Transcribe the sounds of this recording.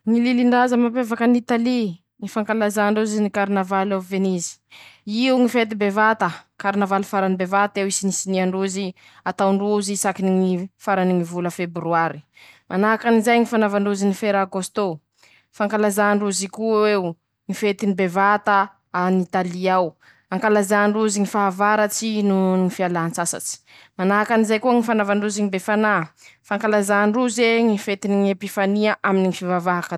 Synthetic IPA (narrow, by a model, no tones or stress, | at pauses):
ŋililiɳɖ͡ʐazəmapevakanit̪ali | ŋifaŋkalazaɳɖ͡ʐuziznikaɾinavalavenizi̥iuŋifet̪ibevat̪əkaɾinavalufaɾanibevat̪ewisinisiniaɳɖ͡ʐuzi | at̪awɳɖ͡ʐuzisakiniŋifaɾaniŋivuləfebɾuaɾi̥ | mʔanakanizajŋifanavaɳɖ͡ʐuzinifeɾaɡost̪o | faŋkalazaɳɖ͡ʐuzikuwew | ŋifet̪inibevat̪a | anit̪aliaw | aŋkalazaɳɖ͡ʐuziŋifaavaɾat͡sinuŋifialaant͡sasa̰t͡si̥ | manaɦakanizajkuəŋifanavaɳɖ͡ʐuziŋibefanafaŋkalazaɳɖ͡ʐuzeŋifet̪iniŋepifaniaʔaminiŋifivavaɦakə